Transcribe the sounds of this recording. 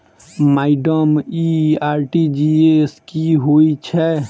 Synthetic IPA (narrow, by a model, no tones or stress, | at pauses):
maɪɖəmiaɾʈid͡ʒieskiɦojt͡ʃʰɛ